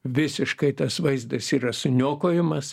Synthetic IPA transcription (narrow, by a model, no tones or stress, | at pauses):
ʋʲɪsʲɪʃkɐɪt̪ɐsʋɐɪzd̪ɐsiːɾɐsʊnʲoːkoːjɪmɐs